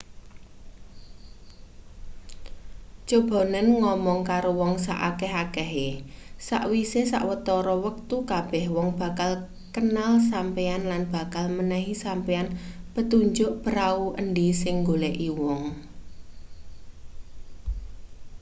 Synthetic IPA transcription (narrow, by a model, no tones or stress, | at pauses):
t͡ʃob̥ɔ̤nənŋɔmɔŋkaɾowɔŋsa̰ʔa̰kɛɦakɛɦesa̰ʔwisesa̰ʔwət̪ɔɾɔwək̚t̪ukab̥ɛhwɔŋb̥a̤kal | kənalsampeanlanb̥a̤kalmənɛɦisampeanpət̪uɲd͡ʒʊʔpəɾauʔəɳɖisɪŋɡolɛʔiwɔŋ